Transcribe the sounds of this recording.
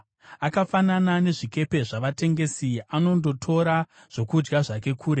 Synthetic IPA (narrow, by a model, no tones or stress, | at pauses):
akafananane̞ʐike̞pe̞ʐaʋate̞ŋɡe̞siano̞ndo̞tʰo̞ɾa | ʐ̥okud͡ʒɡaʐake̞kʰuːɾe